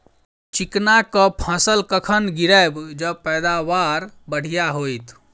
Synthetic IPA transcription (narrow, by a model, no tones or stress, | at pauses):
t͡ʃiknakəpʰə̃səlkəkʰənɡiɾəjbd͡ʒəpəjd̪aʋaɾbəɽ̤ijaɦojt̪ʰ